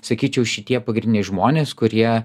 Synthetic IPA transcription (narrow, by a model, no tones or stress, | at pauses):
sɐkʲiːt͡ʃʲɛʊʃʲɪt̪ʲiɛpɐɡɾʲnʲɪnʲɛɪʒmoːnʲeːskʊɾʲiɛ